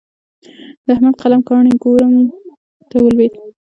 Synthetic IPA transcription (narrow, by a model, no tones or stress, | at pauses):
d̪əahmad̪qalamkɑɳikoɾam | t̪awəlwed̪